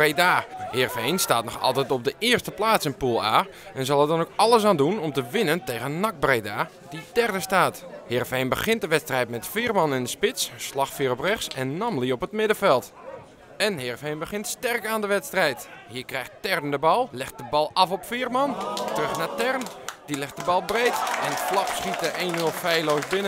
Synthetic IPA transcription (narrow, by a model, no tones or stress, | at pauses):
redaːhɪrfejnstaːt̚nɔxɑ̰lˠtɛjtɔb̚dəʔɪərstəplaːsənpulˠa̰ː | ɛnzɑlˠətdɔnokɑlˠəs̬aːndunɔmtəʋɪnəntejɣənnak̚brejdaː | d̥idɛrdəstaːthɪrfejnbəχɪnt̚dəʋɛtstrɛjtmɛtfiərmɑnɪndəspɪtsslɑxfiəɾɔprɛxsɛnːɔmliɔpətmɪdəfɛlˠt | ɛnɦɪrfhejnbəxɪntstɛrkaːndəʋɛtstrɛjthiəkrɛjxttɛrn̩dəbɑlˠlɛxt̚d̥əbɑlˠɑfɔpfiːrmɑntərøxnatɛrnd̥ilɪxt̚dəbɑlˠbreːtɛnətflɑpsχit̚əʔeːnʋəlˠfɛjloːsbɪnə